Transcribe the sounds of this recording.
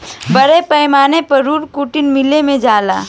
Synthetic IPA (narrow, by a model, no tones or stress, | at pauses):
bɐɾepɐjmaːnepɐɾuːɾkuːʈɪnmɪlemẽd͡ʒaːla̰ː